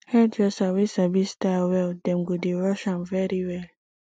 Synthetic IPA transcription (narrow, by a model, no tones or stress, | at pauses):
hɛdɹɛsawisabistawɛldɛ̃mɡudiɹɔʃãnvɛɾiwɛl